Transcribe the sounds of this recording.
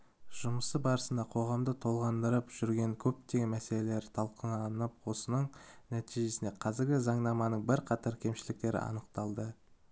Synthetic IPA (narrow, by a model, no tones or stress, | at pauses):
ʒʊməsəbɑɾəsənd̪ɑqʰo̞ʁɑmd̪ət̪ʰo̞lˠʁɑnd̪əɾəpʒ̥ʏɾɡʲe̞ŋkʲʰɵp̚t̪e̞ɡʲemæse̞le̞le̞ɾɪt̪ʰɑlˠqənɑnəpwo̞sənəɴnæt̪ʰiʒe̞sɪne̞qʰɑzɪɾɡʲɪzɑɴnɑmɑnəɴbɪɾqʰɑt̪ɑɾkʲʰe̞mʃɪlɪk̚t̪e̞ɾɪ̰ɑ̰nəq̚t̪ɑlˠd̪ə